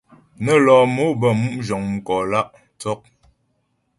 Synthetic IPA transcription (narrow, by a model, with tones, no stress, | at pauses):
nə˦lɔː˨mo˦bə˦˨mu˦ʔd͡ʒɔ˨ŋm̩˦kɔ˨la˦ʔ | tɔ˦k̚